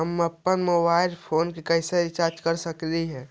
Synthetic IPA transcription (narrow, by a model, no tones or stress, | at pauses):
ɦəməpːənmobaɪlpʰoːnkekəɪset͡ʃaɾd͡ʒkəɾsəkliɦɛ̃ː